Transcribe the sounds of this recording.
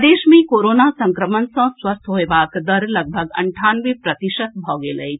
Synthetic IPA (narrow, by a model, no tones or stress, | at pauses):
d̪eːʃmẽkoːɾoːnasə̃ŋkɾəmənsə̃swəst̪ʰɦoebaːkd̪əɾləɡ̚bʱəɡə̰ɳʈʰaːnʋepɾət̪iʃət̪̚bʱɔːɡeːləj̪